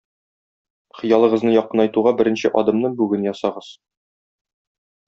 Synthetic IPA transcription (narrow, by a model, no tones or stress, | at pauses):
χɤ̆jɑlˠɤ̆ʁɤ̆znɤjɒqːɤ̆nɒjt̪uʁɑbɘ̆ɾɘ̆nɕɘ̰ʔɒd̪ɤ̆mnɤɴbʉɡɘnjɒsɑʁɤz̥